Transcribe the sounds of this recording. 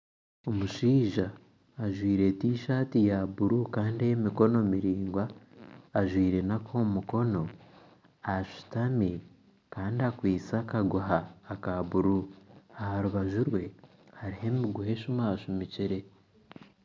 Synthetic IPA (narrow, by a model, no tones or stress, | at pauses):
o̞muʃiːʒaː | ʒwiːɾe̞tiːʃaːtijaβuɾukaːndejemiko̞no̞miɾiːŋɡwaː | ʒwiːɾe̞nakʰo̞ːmuko̞no̞ | aʃu̥tami | kaːndiakwiːt͡sakaɡuɦaːkaβuɾuahaɾuβaʒuɾwe̞ | haɾihe̞miɡuhe̞ʃumaaʃumiciɾe̞